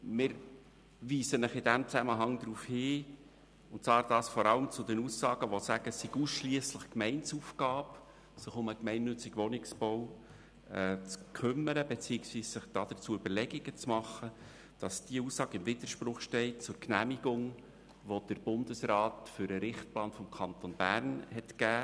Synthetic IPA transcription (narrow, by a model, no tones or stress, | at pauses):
mɪɾ | viːsənəχɪd̥æmt͡sæməɦɑŋd̪ɾuːfhɪː | ʊntt͡svɑːɾd̥ɑːsfɔɾɑləmt͡sʊd̪ɛnuːsːɑːɡ̥əʋosæɡ̥əsːiɡ̥uːsʃliəsləχkmɛɪnsuːfɡ̥ɑːp | sɪχʊməkmɛɪnːʏt͡sɪɡ̥ʋɔnɪksb̥ɔʊ | ɛt͡skʰʏmːəɾəbet͡siɪksʋiːssɪχd̥ɑd̥̪ət͡suəʏbəlɛɡiɡət͡smɑχːə | d̥ɑsd̥iəuːsːɑːɡəɪmvɪd̪̥əɾʃpɾʊχʃtɛɪt̚t͡sʊɾknæmiɡʊŋ | ʋod̥əɾb̥ʊnd̪əsrɑːtfʏɾəɾɪχt̚plɑːnfɔmkʰɑnt̪ɔnb̥æɾnhɛtkæː